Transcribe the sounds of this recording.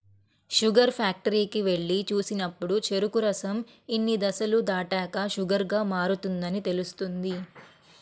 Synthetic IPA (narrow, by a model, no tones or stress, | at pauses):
ʃuɡɐɾpʰaːk̚ʈɐɾiːkiʋeɭːit͡ʃuːsinɐpːuɽut͡ʃe̞ɾukuɾɐsɐm | inːid̪ɐsɐlud̪aːʈaːkɐʃuɡɐɾɡaːmaːɾut̪und̪ɐnit̪e̞lust̪und̪i